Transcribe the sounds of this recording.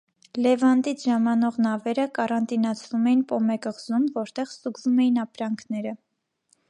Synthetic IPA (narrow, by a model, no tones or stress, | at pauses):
lɛvɑnd̪it͡sʰʒɑmɑnɔʁnɑvɛɾəkɑɾɑnt̪inɑt͡sʰvumɛjinpɔmɛkəʁzumvɔɾt̪ɛʁsuɡvumɛjinɑpɾɑŋkʰnɛɾə